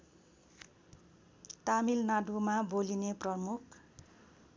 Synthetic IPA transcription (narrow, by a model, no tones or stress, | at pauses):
t̪amilnadumabolineprʌmukʰ